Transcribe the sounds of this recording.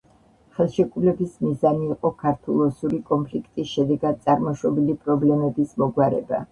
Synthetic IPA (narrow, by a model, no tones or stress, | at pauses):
χɛlˠʃɛkʼulɛbismizaniːqʼɔkʰaɾt̪ʰulˠɔsuɾikʼɔmpʰlikʰt̪ʼisʃɛd̪ɛɡad̪̚sʼaɾmɔʃɔbilipʼɾɔblɛmɛbismɔɡwaɾɛ̰ba̰